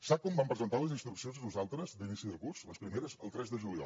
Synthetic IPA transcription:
sak̚kːɔmbampɾəzənt̪aləzinst̪ɾuksionzðənuzalˠt̪ɾəzd̪inisiðəlˠkurzləspɾimeɾəzə̰lˠt̪ɾɛzðəʒuliɔ̰l

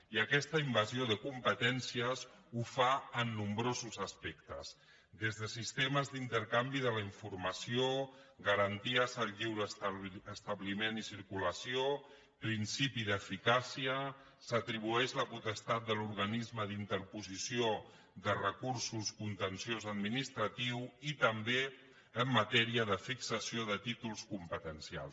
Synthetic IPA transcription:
iəkɛst̪əimbazioðəkumpət̪ɛnsiəzufaənːumbɾozuzəspɛkt̪ə̰z | d̪ezðəsist̪eməzd̪int̪əɾkambiðələiɱfuɾməsioɣəɾənt̪iəzəlʎiwɾəsəst̪əβlimenisiɾkuləsio | pɾinsipiðəfikasiə | sət̪ɾiβuɛʃləput̪əst̪at̪̚d̪əluɾɣənizməðint̪əɾpuzisio | ðərəkuɾsuskunt̪ənsjozəd̪̚minist̪ɾət̪iwit̪əmbe | əmːət̪ɛɾiəðəfiksəsioðət̪it̪ulˠskumpət̪ənsia̰lˠ

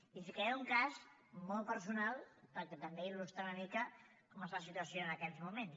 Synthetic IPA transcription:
if̬ikɛuŋkazmɔlˠpəɾsunalˠpəɾkɛt̪əmbeilust̪ɾaunəmikə | kɔməsfasit̪uəsjoənəkɛzmumen

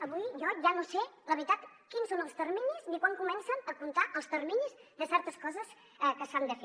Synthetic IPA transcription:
əβujjɔʒanoseləβɾit̪at̪ | kinsonəlˠst̪ərmiɲiznikwaŋkumɛnsənəkunt̪aʔəlˠst̪ərmiɲizd̪əsɛɾt̪əskɔzəs | ɛkəsand̪əfe

